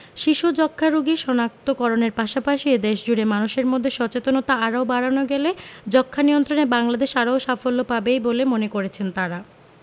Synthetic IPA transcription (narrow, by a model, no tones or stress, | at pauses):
ʃiʃud͡ʑɔkʰːaɾuɡiʃɔnak̚t̪okɔɾoneɾpaʃapaʃid̪eʃd͡ʑuɾemanuʃeɾmod̪ʱːeʃɔt͡ɕet̪onot̪aaɾaobaɽanoɡeled͡ʑɔkʰːanijont̪ɾonebaŋlad̪eʃaɾaoʃafolːopabejbolemonekoɾet͡ɕʰent̪aɾa